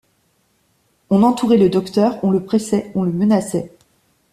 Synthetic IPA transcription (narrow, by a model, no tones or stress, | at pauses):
ɔ̃nɑ̃t̪uʁɛləd̪ɔkt̪œʁɔ̃ləpχɛsɛɔ̃ləmənasɛ